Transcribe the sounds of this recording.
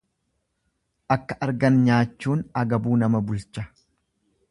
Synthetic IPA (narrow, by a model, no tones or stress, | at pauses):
ʔɐkːɐʔɐɾɡɐnɲaːt͡ʃːuːnɐɡɐbuːnɐmɐbʊlt͡ʃːɐ